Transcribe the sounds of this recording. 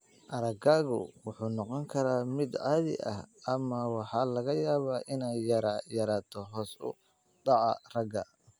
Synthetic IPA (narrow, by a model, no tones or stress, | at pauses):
ʔɐɾɐɡaːɣʊ̰wʊħuːnɔqɔŋkʰɐɾaːmɪd̪ʕɑːðɪ̰ʔɐ̰hɐmɐwɑħɑːlɐɣɐjaːβaːʔɪnɛjːɐɾajɐɾaːt̪ʰɔɦɔːsʊ̰ | ɖɑʕɑ̰rɐɡɐ